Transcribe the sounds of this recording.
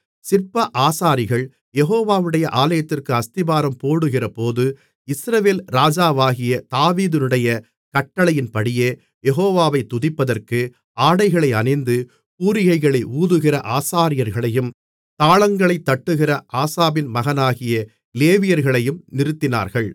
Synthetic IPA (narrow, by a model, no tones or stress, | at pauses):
sɪrpɐʔaːsaːɾɪɣɐɭ | jɛɣoːʋaːʋɯɽɐjɐʔaːlɐjɐt̪ːɪrkɯɐst̪ɪbaːɾɐmpoːɽɯɣɪrɐpoːðɯ | ɪsɾɐʋeːlɾaːd͡ʒaːʋaːɣɪjɐt̪aːʋiːðɪnɯɽɐjɐ | kɐʈːɐɭɐjɪnpɐɽɪjeː | jɛɣoːʋaːʋɐɪt̪ːʊðɪpːɐðɐrkɯ | aːɽɐɪɣɐɭɐɪɐnɐɪnd̪ɯ | puːɾɪɣɐɪɣɐɭɐɪʔuːðɯɣɪrɐʔaːsaːɾɪjɐɾɣɐɭɐjɯm | t̪aːɭɐŋɡɐɭɐɪt̪ːɐʈːɯɣɪrɐʔaːsaːbɪnmɐɣɐnaːɣɪjɐ | leːʋɪjɐɾɣɐɭɐjɯmnɪɾɯt̪ːɪna̰ːɾɣɐɭ